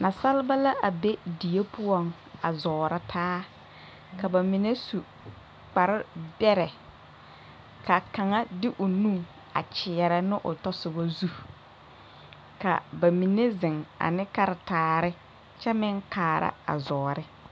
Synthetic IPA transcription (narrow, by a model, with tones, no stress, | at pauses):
na˨sa˦lɪ˦ba˦la˦ʔa˨be˦di˨je˦pʊ˦ɔ˦˨ŋ | a˨zɔː˨ɾa˦tʰaː˦ | ka˨ba˨mi˨ne˦su˨ | k͡pa˨ɾɪ˦bɛ˦ɾɛ˨ | ka˨ka˨ŋa˦dɪ˦ʔʊ˨nũ˦ŋ | a̰˨t͡ʃɪ˨ɛ˨ɾɛ˨nɪ˦ʔʊ̰˨tɔ˦sʊ˨ba˦zu˦˨ | ka̰˨ba˨mi˨ne˦zɪ˨ŋa̰˨nɪ˦ka˦ɾɪ˨taː˨˦ɾɪ˦ | t͡ʃɛ˦mɪ˦ŋkaː˨ɾa̰˦a̰˨zɔː˨ɾɪ˦